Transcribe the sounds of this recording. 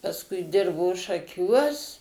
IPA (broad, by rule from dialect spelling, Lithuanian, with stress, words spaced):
pɐsˈkʊɪ ˈdʲɪrboː ʃɐˈkʲuɔs